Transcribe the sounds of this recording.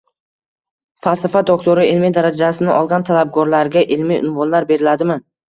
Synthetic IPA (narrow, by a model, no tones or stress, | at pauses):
falˠsafad̪okt̪ʰoɾɪɪlmid̪aɾad͡ʒasɪnɪʔɒlˠɡʲant̪ʰalab̚ɡɒɾlaɾɡʲaʔɪlmijʔʊ̰nvɒnlaɾbe̞ɾɪlad̪ɪmɪn